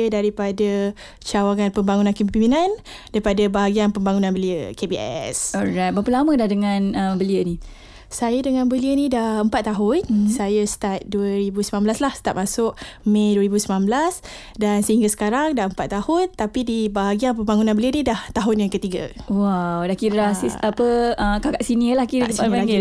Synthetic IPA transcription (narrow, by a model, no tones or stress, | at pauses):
ədaɾipada | t͡ʃawaŋanpəmbaŋunankəmipiminãn | daɾipadabaɦaɡianpəmbaŋunãnbəliəkebiʔɛ̰sɔɹajt̪̚bapəlamə̃dahdəŋãnəmbəliəni | sajədəŋãnbəliənidahəmpat̪ːaɦʊnsajəst̪at̪̚duəɾibusəmanblaslahsə̥t̪a̰ʔ̪̚masʊʔmẽduəɾibusəmnanblas | dansəhiŋɡasə̥kaɾaŋdaʔəmpat̪ːahʊnt̪apidibaɦaɡianpəmbaŋunãnbəliənĩdaht̪aɦʊnjaŋkət̪iɡa̰wawdahkiɾaiapəəkakaʔsiniəlahkiɾasailaɡi